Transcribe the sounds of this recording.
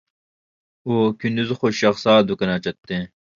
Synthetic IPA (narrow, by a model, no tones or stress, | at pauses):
oːkind̪uzxoɕɐxsaːd̪ukɐnaːt͡ɕɐt̪ːẽ